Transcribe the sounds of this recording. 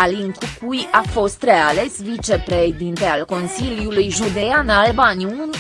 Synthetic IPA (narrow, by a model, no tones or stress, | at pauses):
aliŋk̪ukujafo̞st̪ɾe̞ale̞svit͡ʃe̞pɾeʃed̪int̪ealko̞nsiljulujʒud̪e̞janalbaniun